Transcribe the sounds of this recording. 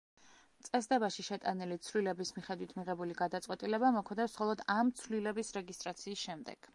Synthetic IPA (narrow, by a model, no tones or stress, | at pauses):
t̪sʼɛsd̪ɛbaʃiʃɛt̪ʼanilit̪sʰvlilɛbismiχɛd̪wit̪ʰmiʁɛbuliɡad̪at̪sʼwɛt̪ʼilɛbamɔkʰd̪ɛfsχɔlˠɔd̪amt̪sʰvlilɛbisɾɛɡist̪ʼɾat̪sʰiːsʃɛmd̪ɛ̰ɡ̥